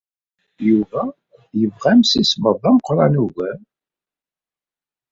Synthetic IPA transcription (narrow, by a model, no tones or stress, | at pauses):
juvæ | jəvʁæmsisməðˤæməqɾˤɑnuɣæm